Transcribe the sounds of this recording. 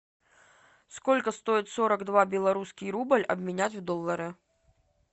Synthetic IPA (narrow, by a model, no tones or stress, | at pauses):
skɔlʲkɐst̪ɔjit̪ʲsɔɾɐɡd̪vabʲɛlˠaɾuskʲijɾubəlʲɐ̰bʲmʲɪnʲat͡sʲwd̪ɔlˠːɐɾɨ